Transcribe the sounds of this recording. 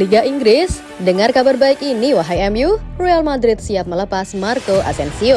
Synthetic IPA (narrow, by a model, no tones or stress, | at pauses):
liɡaʔiŋɡɾɪs | dəŋarkabarbaɪkiniwaɦajɛmjurojalmad̪ɾɪt̪̚siat̪̚mələpasmarkoʔa̰sɛnsio